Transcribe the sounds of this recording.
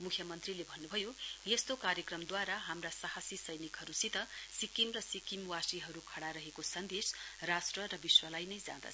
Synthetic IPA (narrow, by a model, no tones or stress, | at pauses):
mukʰjʌmʌnt̪rilebʱʌnːubʱʌjojest̪okaɾjʌkrʌmd̪waɾaɦamrasaɦasisʌjnikɦʌɾusit̪ʌsikimrʌsikimwasiɦʌɾukʰʌɽaɾʌɦekosʌnd̪esrasʈrʌrʌbiswʌlajnʌjd͡zã̰d̪ʌ̰